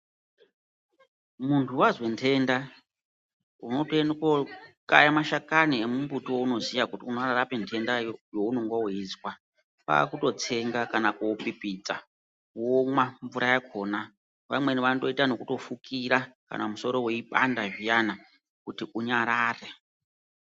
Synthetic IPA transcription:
muntʰuwazwentʰe̞nda | uno̞toenekokʼajamaʃakaniemumbutiwouno̞zijakutiunraɾapentʰe̞ndajo̞uno̞ŋɡwaoizwa | pa̰ːkuto̞t͡se̞ŋɡakanakuwopipit͡sa | womwaɱvuɾʔajakʰo̞ːna | ʋa̰mweniʋando̞itano̞kuto̞fukʰiɾaka̰namuso̞ɾo̞we̞ipʼa̰ndaʐijana | kutiʔuɲaɾaːre

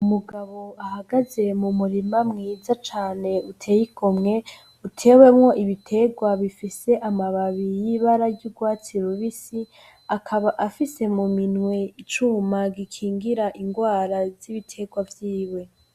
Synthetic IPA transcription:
umuɡaβo̞ahaɡaze̞mumuɾimamŋiːzat͡ʃaːne̞utʰe̞ːjiɡomŋe̞ | utʰe̞ːwe̞mŋo̞ʔiβitʰe̞ɡwaβifise̞ʔamaβaβijiβaɾaɾɟuɡwaːt͡siɾoβisi | akʰaβaʔafise̞muminwe̞it͡ʃumaɡikʰiːŋɡiɾaʔiŋɡwaːɾaz̥iβitʰe̞ɡwavjiːwe̞

